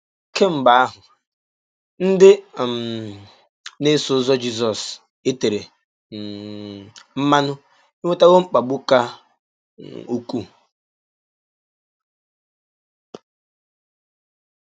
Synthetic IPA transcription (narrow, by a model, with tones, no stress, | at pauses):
ke˦m̩˨ba˨a˦ɦʊ˨ | n̩˦dɪ˦˨m | ne˦sʊ˨˦zɔ˦d͡ʒi˦z̬ɔ˨s | e˦te˨ɾe˨ | m̩˦ma˦nʊ˦ | ɪ˦ŋʷe˦ta˦ɣo˦ŋ͡m̩˦k͡pa˨ɡ͡bʊ˦ka˦ | o˦ku˦